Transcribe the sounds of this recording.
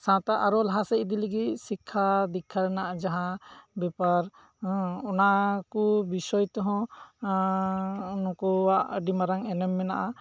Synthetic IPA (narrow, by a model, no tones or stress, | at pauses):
sãt̪aʔaɾɔlɦasɛʔid̪iləɡit̪̚ˀsikʰːad̪ikʰːaɾɛnaʔad͡ʒaɦãbɛpaɾ | ɔnakubisɔjt̪ɔɦɔ̃ | nɔkɔwaʔɖimaɾaŋɛnɛmːɛnaʔa